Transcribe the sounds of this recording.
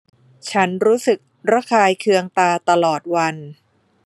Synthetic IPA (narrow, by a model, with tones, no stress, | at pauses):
t͡ɕʰa˦˥nɾuː˦˥sɯ˨˩k̚ɾa˦˥kʰaː˧jkʰɯ˧əŋt̪aː˧t̪a˧lɔː˨˩t̪̚wa˧n